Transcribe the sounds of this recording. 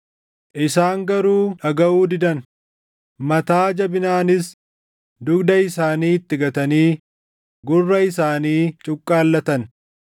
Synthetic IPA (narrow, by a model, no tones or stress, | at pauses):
ʔɪsaːŋɡɐɾuːɐɡɐʔuːd̪ɪd̪ɐn | mɐt̪aːd͡ʒɐbɪnaːnɪs | d̪ʊɡd̪ɐɪsaːniːɪt̪ːɪɡɐt̪ɐniː | ɡʊrːɐɪsaːniːt͡ʃʼʊkʼːaːlːɐt̪ɐn